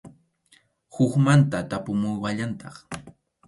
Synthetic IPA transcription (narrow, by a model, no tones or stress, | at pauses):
hʊkmant̪at̪apʊmʊjwaʎant̪ɑχ